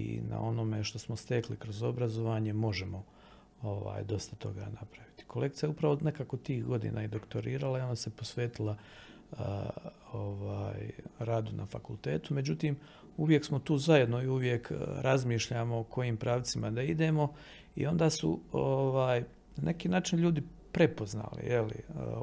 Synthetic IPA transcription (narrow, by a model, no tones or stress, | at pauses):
ḭna̰o̞no̞me̞ʃt̪o̞smo̞st̪eklikɾo̞zo̞bɾazo̞ʋaːɲe̞mo̞ʒemo̞ | oʋa̰ːjd̪o̞st̪at̪o̞̰ɡa̰ːnapɾaʋit̪i̥ko̞le̞kt̪ijaupɾaʋo̞nekaːkot̪iːhɡo̞d̪ḭːnʔa̰id̪o̞kt̪o̞ɾiːɾalaiond̪asepo̞sʋeːt̪ilˠa | oʋaːjɾaːd̪unʔa̰fa̰kulˠt̪e̞ːt̪umed͡ʑut̪iːm | uʋje̞ksmo̞t̪uːzajed̪noiuʋje̞kɾʔazmiːʃʎaːmoːkʰo̞jiːmpɾaːʋt̪simad̪aid̪e̞ːmo̞ | ḭo̞nd̪aːsṵoʋaːj | nanʔe̞kiːnaːt͡ʃinʎuːd̪i | pɾe̞po̞zna̰ːlḭjelḭə